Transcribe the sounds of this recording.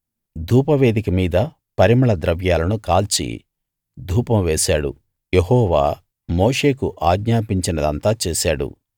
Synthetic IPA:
d̪ʱuːpɐʋe̞ːd̪ikɐmiːd̪ɐ | pɐɾimɐɭɐd̪ɾɐʋjaːlɐnukaːlt͡ʃḭ | d̪ʱuːpɐmʋeːsaːɽṵ | jeɦɔːʋa̰ː | moːʂe̞ːkuʔaːɡɲaːpiɲt͡ʃinɐd̪ɐ̰nt̪aːt͡ʃeːsaːɽṵ

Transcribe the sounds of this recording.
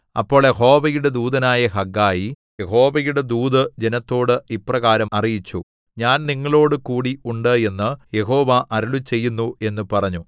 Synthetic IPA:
ɐ̰pːo̞ːɭjeɦo̞ːʋɐjuɽe̞d̪uːd̪ɐnaːjɐɦɐɡːaːji | je̞ɦo̞ːʋɐjuɽe̞d̪uːd̪ɨd͡ʑe̞nɐt̪ːo̞ːɽɨiprɐɣaːɾɐmɐrijit͡ɕːu | ɲaːnniŋːɐɭo̞ːɽɨkuːɽiuɳɖɨe̞nːɨje̞ɦo̞ːʋɐʔɐɾuɭut͡ɕe̞jːunːue̞nːupɐrɐɲːu

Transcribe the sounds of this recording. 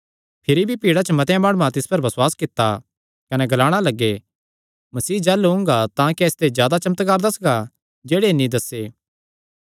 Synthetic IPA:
pʰɪɾibʱipiːɽat͡ʃəmɐt̪jãmaːɽ̃umãt̪ɪspɐɾbɐswaːskɪt̪ːa | kɐnɛɡɐlaːɽ̃alɐɡːe | mɐsiːd͡ʒɛːluɦʊ̃ŋɡat̪ãkiɛst̪ezjaːd̪at͡ʃɐmət̪ɡaːɾd̪ɐsɡa | d͡ʒeːɽenĩd̪ɐsːeː

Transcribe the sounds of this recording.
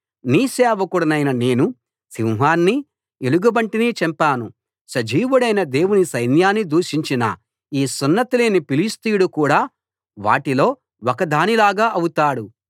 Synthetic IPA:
niːsɛːʋɐkuɽɐnɐjnɐne̞ːnu | siwɦaːnːi | eluɡubɐɳʈinit͡ʃɐmpaːnu | sɐd͡ʒiːʋuɽɐjnɐd̪e̞ːwunisɐjnjaːnːid̪uːʂiɲt͡ʃinɐ̰ | iːsunːɐt̪ileːnipilist̪ijuɽukuːɽaː | ʋa̰ːʈilo̞ː | wɔkɐd̪aːnilaːɡaːʔɐwut̪aːɽu

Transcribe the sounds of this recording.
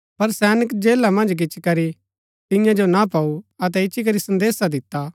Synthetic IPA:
pɐɾsɛːnɪkd͡ʒeːlamɐ̃nd͡ʒk̬ɪt͡ʃikɐɾi | t̪ɪ̃jãd͡ʒonapauɐt̪̬ɛɪt͡ʃik̬ɐɾisɐ̃nd̪eːsad̪ɪt̪ːaː

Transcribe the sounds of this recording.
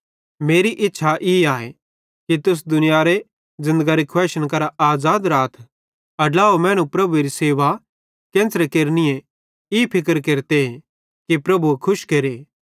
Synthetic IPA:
meːɾiʔɪtːʃʰaʔiaːe | kit̪ʊs̬d̪ʊnɪjaːɾe | zɪ̃nd̪əɡaɾikʰwɛːʃəñk̬ɐɾaʔaːzaːd̪ɾaːt̪ʰ | ɐlaːomɛ̃ːɽ̃ũpɾɐbueɾiseːʋa | kẽːnsɾekeːɾnɪjẽ | iːpʰɪkəɾkeːɾt̪eɦe | kipɾɐbuekʰʊʃkeːɾeː

